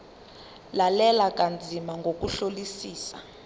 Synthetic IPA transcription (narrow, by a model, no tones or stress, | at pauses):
lalɛlak̬ʼand͡zʱimaŋɡʱok̬ʼuɬolisiːsa̰